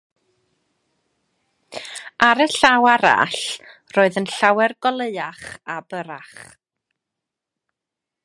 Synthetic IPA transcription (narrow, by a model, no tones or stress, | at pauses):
aɾəɬawaɾa̰ɬroːɨðənɬawɛrɡɔlˠeɨaχabəɾaχ